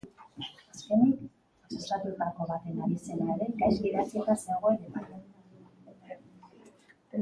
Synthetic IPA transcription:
aske̞nik | sosat̪ut̪ako̞βat̪e̞naβise̞laeɾe̞ɡajzɡiðat͡siet̪ase̞ɣ̞o̞eɾe̞βan

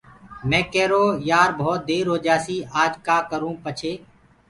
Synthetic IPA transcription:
mɛ̃ːkɛːɾoːjaːɾbʱoːt̪̚d̪eːɾɦoːd͡ʒaːsiːʔaːd͡ʒkaːkəɾũːpət͡ʃʰeː

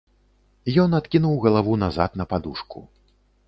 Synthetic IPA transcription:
jɔnat̪kʲinuwɣɐlˠavunaza̰t̪nɐpad̪uʂkṵ

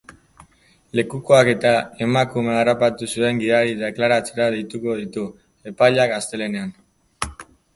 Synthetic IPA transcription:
le̞kuko̞ake̞t̪ae̞makumearapat̪usue̞ŋɡiðaɾiðeklaɾat͡se̞ɾað̞e̞jt̪uko̞ð̞it̪u | e̞pajʎakast̪e̞le̞ne̞an

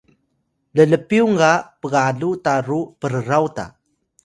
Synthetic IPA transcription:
lələpiuŋɡapəɣaɮutaɾupəɾəɾawta̰

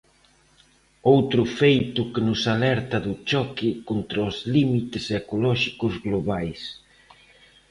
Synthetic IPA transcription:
owt̪ɾʊfejt̪ʊkɪnʊsalɛɾt̪ɐðʊt͡ʃɔkikont̪ɾɐozlimit̪ɪsekolɔʃi̥kʊzɣloβajs

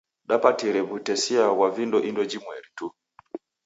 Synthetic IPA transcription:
ɗapatiɾɛβutɛsiawavindɔʔindɔd͡ʒimwɛɾitu

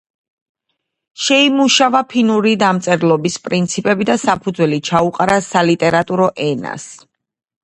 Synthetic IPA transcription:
ʃɛimuʃavapʰinuɾid̪amt̪sʼɛɾlˠɔbispʼɾint̪sʰipʼɛbid̪asapʰud̪zwɛlit͡ʃʰauqʼaɾasalit̪ʼɛɾat̪ʼuɾɔʔɛna̰s

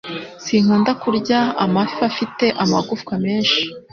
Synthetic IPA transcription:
siŋ̥uːndakuɾɟaamafafite̞ʔamaɡufkwame̞ːnʃi̥

